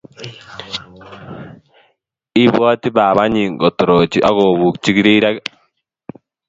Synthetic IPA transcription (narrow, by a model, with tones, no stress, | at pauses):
i˦βwɔ˦ti˦ba˨βa˦ɲi˨ŋɡɔ˨to˨ɾo˨t͡ʃi˦ʔa˦ɣo˨βu˨kt͡ʃi˦ɡi˦ɾi˦ɾa˦